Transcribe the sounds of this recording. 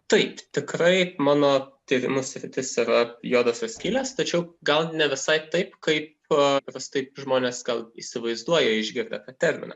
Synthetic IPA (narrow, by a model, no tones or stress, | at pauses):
t̪ɐɪpt̪ʲɪkɾɐɪmɑːnoːt̪ʲiːɾʲɪ̰mʊsʲɾʲɪt̪ʲɪsiɾɐjoːd̪oːsʲɐsʲkʲiːlʲɛːst̪ɐt͡ʃʲɛʊɡɐlˠnʲɛʋʲɪsɐɪpt̪ɐɪpkɐɪp | pɾʲɐst̪ɐɪpʒmoːnʲeːsɡɐlˠḭːsʲɪʋɐɪzd̪uɔjɛɪʒʲɡʲɪɾʲd̪ʲɛ̰t̪ɑːt̪ʲɛɾʲmʲɪ̰nɐ̰